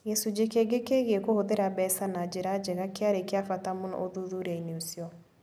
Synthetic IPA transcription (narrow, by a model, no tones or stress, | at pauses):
jɛsud͡ʑekeɡekeɣiɛkohoðeɾabɛsanad͡ʑeɾad͡ʑɛɣakeaɾekeafatamona̰oðuðuɾɛineosiɔ